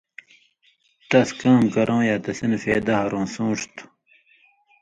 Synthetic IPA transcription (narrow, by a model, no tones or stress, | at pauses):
t̪ɐskaːmkɐɾʔõːjaːt̪ɐsinfeːd̪aɦɐɾõːsũːʂt̪u̥